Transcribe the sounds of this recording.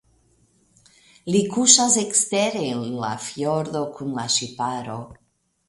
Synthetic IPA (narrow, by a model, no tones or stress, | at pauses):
likuʃazekst̪eɾenla̰fjoɾðokʰunlaʃipaɾo